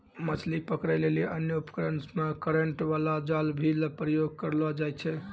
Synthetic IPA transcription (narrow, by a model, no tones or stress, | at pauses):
mət͡ʃʰlipəkɾɛleliʔənjəupkɾənsmekəɾəɳʈʋalad͡ʒalbʱilpɾəjoɡ̚kəɾlɔd͡ʒajt͡ʃʰɛ